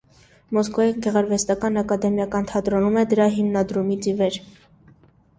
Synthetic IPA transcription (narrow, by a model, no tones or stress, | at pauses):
mɔskvɔjinɡɛʁɑɾvɛst̪ɑkɑnɑkɑd̪ɛmjɑkɑnt̪ʰɑt̪ɾɔnumɛd̪əɾɑɦimnɑd̪ɾumit͡sivɛɾ